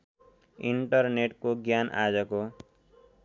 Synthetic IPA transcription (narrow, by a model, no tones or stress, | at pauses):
iɳʈʌrneʈkoɡjana̰d͡zʌko